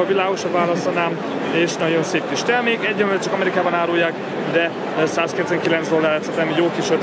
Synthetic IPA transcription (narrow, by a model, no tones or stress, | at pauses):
ɒvilaːɡuʃɒvaːlɒslɒnaːm | eːʃnɒɟo̞nseːpkiʃt̪ɛrmeːkɛɟːømøt͡ʃɒkɒmɛɾikaːbɒnaːɾuːjːaːk | d̪ɛ | saːskɛt̪zɛŋkilɛnzd̪olːaːɾɛt̪sɛt̪ɛmjoːkiʃø